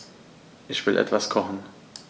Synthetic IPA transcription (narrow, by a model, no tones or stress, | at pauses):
ʔɪçv̥ɪlʔɛ̰tv̥askʰɔχn̩